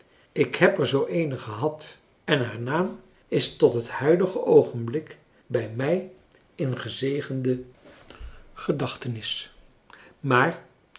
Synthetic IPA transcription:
ɪkhɛpɛɹzowʔejnəχəɦɑt | ɛnɦaːɹnaːm | ɪstɔtɦəthœɥdəχəʔowχənblɪk | bɛjmɛj | ɪnχəzejχəndə | χədɑχtənɪs | maːɹ

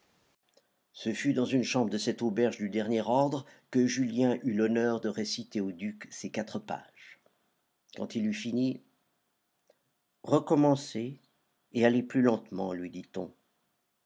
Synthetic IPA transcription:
səfyd̪ɑ̃zynʃɑ̃bʁd̪əsɛt̪obɛʁʒd̪yd̪ɛʁnjɛʁɔʁd̪ʁəkəʒyljɛ̃ʔylɔnœʁd̪əʁesit̪eod̪yksekat̪χəpa̰ʒ̥ | kɑ̃t̪ilyfini | ʁəkɔmɑ̃seː | aleplylɑ̃t̪mɑ̰̃lɥid̪it̪ɔ̰̃

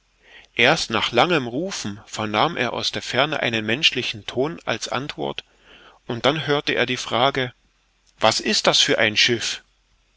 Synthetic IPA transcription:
ʔeːɐstnaːχlaŋəmʁuːfn̩fɛɐnaːmʔḛːɐʔa̰ʊsd̥eːɐfɛɐnəʔa̰ɪnənmɛnʃlɪçn̩tʰoːna̰lsʔa̰ntv̥ɔ̰ɐt | ʔʊnt̚d̥anɦøːɐtəʔḛːɐdiːfʁ̥aːɡə | vasʔɪst̚d̥asfyːɐʔaɪnʃɪf

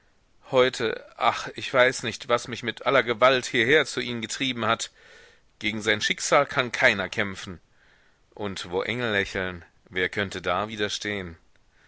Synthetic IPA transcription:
hɔʏtʰə̰ʔa̰χɪçv̥aɪsnɪçtv̥asmɪçmɪtʔalɐɡəvalthiːɐheːɐt͡suʔiːmɡətʁ̥iːbm̩hat | ɡ̥eːɡŋ̩zaɪnʃɪkz̥aːlkʰankʰaɪnɐkʰɛmfn̩ | ʔʊntv̥oːʔɛŋl̩lɛçl̩n | veːɐkʰœntədaːviːdɐʃtʰeːən

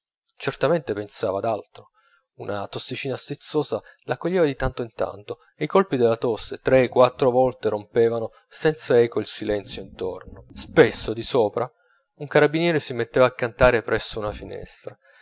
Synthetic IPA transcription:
t͡ʃert̪ament̪epensaːvad̪alt̪ɾo | unʔat̪osːit͡ʃiːnast̪it̪sːoːzalakːoʎːeːvad̪it̪ant̪oint̪a̰nt̪o | eikolpid̪elːat̪osːet̪ɾekːwat̪ːɾovɔlt̪eɾompeːvano | sɛnt̪saɛːkoilsilɛnt̪sjoint̪ornospesːod̪isoːpɾa | uŋkaɾabːinjɛːɾesimet̪ːeːvaːkːant̪aːɾepɾɛsːounafinɛ̰st̪ɾa

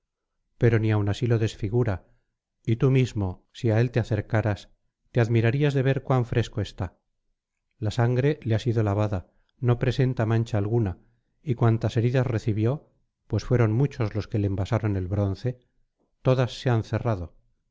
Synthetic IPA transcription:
pe̞ɾo̞niawnasilo̞ðe̞sfiɣuɾa | it̪umizmo̞siae̞lt̪e̞aθe̞ɾkaɾas | t̪e̞aðmiɾaɾiazðe̞βe̞ɾkwaɱfɾe̞sko̞e̞st̪a | lasaŋɡɾe̞leasiðo̞laβ̞aða | no̞pɾe̞se̞nt̪amãnt͡ʃaːlɣuna | ikwant̪ase̞ɾiðasre̞θiβjo̞ | pwe̞sfwe̞ɾo̞nmut͡ʃo̞zlo̞ske̞lembasaɾo̞ne̞lβɾo̞n̟θe̞ | t̪o̞ðasːe̞anθe̞raðo̞

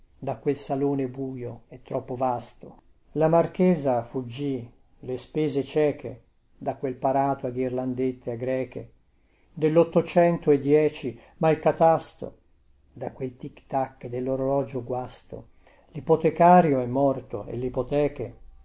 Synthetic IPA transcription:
d̪akwelsaloːnebuːjoɛt̪ːɾɔpːovast̪o | lamarkeːzafud͡ʒːi | lespeːzet͡ʃɛːkʰḛ | d̪akwelpaɾaːt̪oaɡirland̪et̪ʰːeaɡɾɛːkḛ | d̪elːot̪ːot͡ʃɛnt̪oed̪jɛːt͡ʃi | mailkat̪ast̪o̰ | d̪akwelt̪ikt̪akːd̪elːoɾolɔːd͡ʒoɡwast̪o̰ | lipot̪ekaːɾjoɛmːɔrt̪o̰ḛlipot̪ɛːke

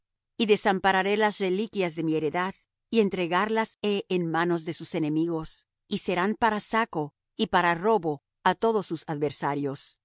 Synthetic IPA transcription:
iðe̞sampaɾaɾe̞lasre̞likjazðe̞mie̞ɾe̞ðað | ie̞nt̪ɾe̞ɣaɾlaseʔenmano̞zðe̞suse̞ne̞miɣo̞s | ise̞ɾampaɾasako̞ | ipaɾaro̞βo̞ | at̪o̞ðo̞sːusaðβe̞ɾsaɾjo̞s

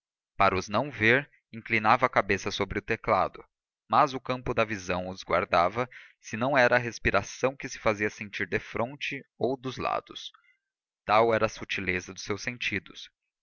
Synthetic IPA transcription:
paɾɐʊznɐ̃w̃veɾ | ĩklinavɐːkabesɐsobɾɪʊt̪ekla̰d̪ʊ | mɐzʊkɐ̃mpʊd̪ɐvizɐ̃w̃ʊzɡwa̰ɾd̪avɐ | sɪnɐ̃w̃ɛɾɐːɦespiɾasɐ̃w̃kɪsɪ̥faziɐsẽnt͡ʃiɾd̪efɾʔõnt͡ʃɪowd̪ʊzla̰d̪ʊs | t̪awɛɾɐːsut͡ʃilezɐd̪ʊsːewsẽnt͡ʃid̪ʊs

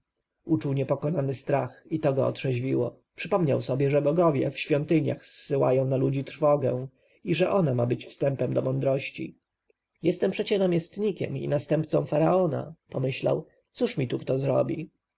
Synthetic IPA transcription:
ut͡ʂuwɲɛpɔkɔnanɘst̪ɾaxit̪ɔɡɔɔ̰tʂɛʑvʲiwɔ̰ | pʂɘpɔmɲawsɔbʲjɛʐɛbɔɡɔvʲjɛ̰fɕfʲjɔnt̪ɘɲa̰xsːɘwa̰jɔ̃w̃nalud͡ʑit̪ɾfɔɡɛw̃ | iʐɛʔɔnamabɘt͡ɕfst̪ɛmpɛmd̪ɔmɔnd̪ɾɔɕt͡ɕḭ | jɛst̪ɛmpʂɛt͡ɕɛnamʲjɛst̪ɲikʲɛ̰mḭnast̪ɛmp̚t̪sɔ̃w̃faɾaɔna̰pɔmɘɕla̰w | t̪suʂmʲit̪ukt̪ɔzɾɔ̰bʲi

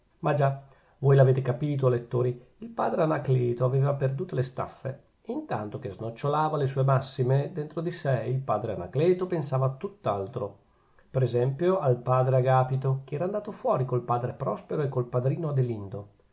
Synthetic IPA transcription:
mad͡ʒa | voːjlaveːt̪ekapiːt̪̬oalet̪ːoːɾiilpa̰ːd̪ɾeanakleːt̪oaveːvaperd̪uːt̪olest̪a̰fːe | int̪a̰nt̪ok̟eznot͡ʃːolaːvales̬uːemasːimed̪ent̪ɾod̪isɛilpaːd̪ɾeana̰klɛːt̪opensaːvaːt̪ːut̪ːa̰lt̪ɾo | peɾezɛmpjoalpaːd̪ɾeaɡaːpit̪okeɛːɾaːnd̪aːt̪ofwɔːɾikolpaːd̪ɾepɾɔspeɾoekːolpad̪ɾiːnoad̪elind̪o

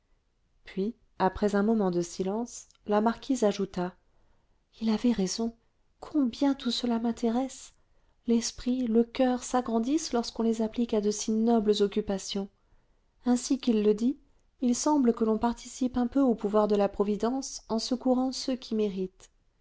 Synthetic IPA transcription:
pɥi | apχɛzɛ̃mɔmɑ̃d̪əsilɑ̃s | lamaʁkʲizaʒut̪a | ilavɛʁezɔ̃ | kʰɔ̃bjɛ̃t̪usəlamɛ̃t̪ʰeʁɛs | lɛspχiləkʲœʁsaɡʁɑ̃d̪islɔʁskɔ̃lezaplikad̪əsinɔbləzɔkʲypasjɔ̃ | ɛ̃sikilːəd̪iː | lsɑ̃bləkəlɔ̃paʁt̪ʰi̥sipɛ̃pøopuvwaʁd̪əlapχɔvid̪ɑ̃sɑ̃səkuʁɑ̃səkʰʲimeʁit̪

